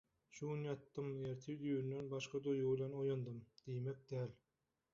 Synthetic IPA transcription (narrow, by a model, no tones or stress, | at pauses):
ʃuɡunjɑt̪ːɯmjeɾt̪ʰid̪yːynːenbɑʃqɑd̪ojublʲenojond̪ɯmd̪̥ijmek̚d̪æːl